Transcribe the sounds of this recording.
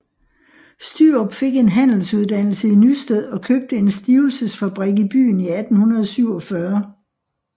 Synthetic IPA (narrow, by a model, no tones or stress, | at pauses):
sd̥yɒb̥fe̝ɡ̥e̝nɦæn̰l̩suð̞ˠd̥æn̰l̩səinysd̥eð̰ˠɒ̽kʰøb̥̚d̥əe̝nsd̥iːʊl̩səsfæb̥ʁiɡ̥ib̥y̰ːniæd̥n̩hunɐð̞ˠsyʊɒ̽fɶɐ